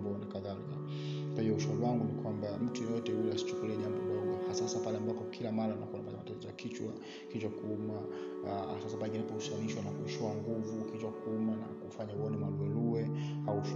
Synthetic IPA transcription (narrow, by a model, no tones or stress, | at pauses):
mbɔnakaðalika | kwahiɔuʃauliwaŋɡunikwambam̩tujɔjɔtɛhujɛasi̥t͡ʃu̥kuliɛɲambɔlauahasasapalɛambapɔkʰilamaɾaunakuanapatamatatizɔja̰kit͡ʃwa̰ | kit͡ʃwakuuma | sasabaɡialipɔusianiʃwanakuʃɔaŋɡuvukit͡ʃwakuumana̰kufaɲauɔnɛmwaluwɛluwɛauʃ